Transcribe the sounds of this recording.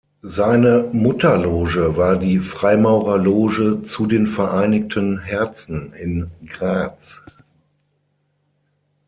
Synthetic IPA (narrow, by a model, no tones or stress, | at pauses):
zaɪnəmʊtɐloːʒəvaːɐdiːfʁ̥aɪmaʊʁɐloːʒət͡sudeːnfɛɐʔaɪnɪk̚tʰənɦɛɐt͡sn̩ɪnɡʁaːt͡s